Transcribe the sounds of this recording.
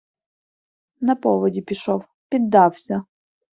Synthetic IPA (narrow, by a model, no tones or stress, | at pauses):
nɐpɔʋɔdʲipʲiʃɔw | pʲid̪ːɑwsʲɐ